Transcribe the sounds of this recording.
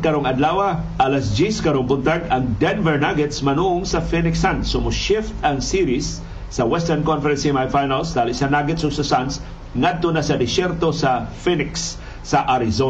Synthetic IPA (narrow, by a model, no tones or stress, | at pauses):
kɐɾoŋɐd̪laːwɐ | ʔalɐsd͡ʒiskɐɾoŋpʊnt̪aɡɐŋd̪ɛnvɛɹnaɡɛt̪smɐnuʔʊŋsɐfinɪksansʊmʊʃɪft̪ɐŋsiɾisː | ɐwɛst̪ɛɹnkonfɛɾɛnsimajfajnalsd̪aːlɪsɐnaɡɛt̪sʊsɐsans | ŋad̪̚t̪onasɐd̪ɪsɛɾt̪o̞sɐfinɪksː | ɐʔaɾɪzo